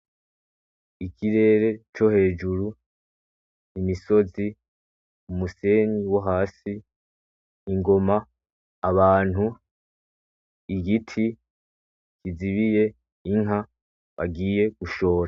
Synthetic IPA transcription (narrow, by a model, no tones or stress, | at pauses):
ikʰiɾe̞ːɾe̞t͡ʃo̞he̞ːd͡ʒuɾu | imiso̞zi | umuse̞niwaɦaːsi | ŋɡo̞maː | βaːn̥u | iɡitʰi | kiziβije̞ | iŋɦa | βa̰ɡiːje̞ɡ̥uʃo̞ːɾa